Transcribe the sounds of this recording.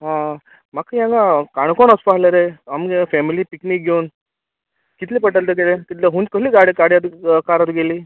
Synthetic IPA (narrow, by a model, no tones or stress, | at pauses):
ɦã | makjãŋɡãkaɳ̃konəspaɦlaɾeamɡefɛmiliːpiknik̚ɡʱeun | kit̪liːpəʈəlt̪ekelet̪it̪laɦũnkəɦliːɡaɽikaɽjat̪kaɾat̪ɡeliː